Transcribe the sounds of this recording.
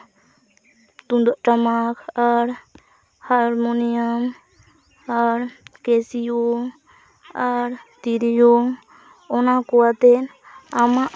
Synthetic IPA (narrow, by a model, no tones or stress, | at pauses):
t̪und̪aʔʈamakʰaɾ | haɾmoniam | aɾkesijo | aɾt̪iɾijo | ɔnakɔat̪ɛn | amaʔ